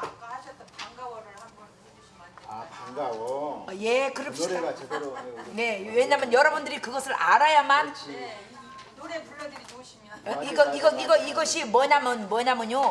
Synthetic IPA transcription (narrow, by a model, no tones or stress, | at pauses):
aɕʰʌtt͈ːʌaŋɡawɾa | kaŋɡaoje̞kɯɾʌpɕid | ne̞weɲamjʌnjʌɾʌbundɯɾikɯɡʌsʰɯɾʔaɾajamanʰ | noɾeuːdɯɾit͡ɕoɕʰiiɡʌiɡʌiɡʌiɡʌɕʰimwʌɲamʌnmwʌɲamɯɲo